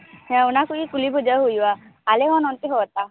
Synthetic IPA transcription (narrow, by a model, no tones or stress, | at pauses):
hɛ̃unakuikulibʱud͡ʒaɦujwaːleɦɔ̃nɔnt̪iɦoɔt̪a